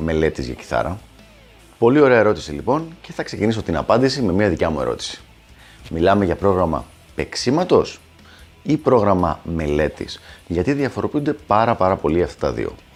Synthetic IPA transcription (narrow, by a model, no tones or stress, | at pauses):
me̞le̞t̪izʝɐ̰ci̥θɐ̰ɾɐ | po̞lio̞ɾe̞ɐe̞ɾo̞t̪i̥silipo̞nce̞θɐkse̞ciniso̞t̪inɐ̰pɐnd̪isime̞miɐðicɐmue̞̰ɾo̞̰t̪i̥si̥ | milɐme̞ʝɐpɾo̞ɣɾɐmɐ̰ | pe̞ksimɐt̪o̞s | ipɾo̞ɣɾɐmɐ̰me̞le̞t̪ḭsʝɐt̪iðiɐfo̞ɾo̞piund̪e̞pɐɾɐpɐɾɐpo̞liɐft̪ɐ̥t̪ɐ̰ðḭo̞̰